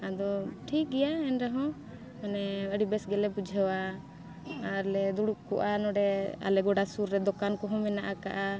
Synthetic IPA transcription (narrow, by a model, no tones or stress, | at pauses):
ad̪ɔʈʰik̚ɡɛjaɛnɾɛɦɔ̃ | manɛəɽibɛsɡɛlɛbud͡ʒʱɛwaː | ɾlɛd̪uɽuʔkɔ̰ʔanɔɖɛa̰lɛɡɔɽasuɾːɛd̪ɔkankɔɦɔ̃mɛnaʔakaʔa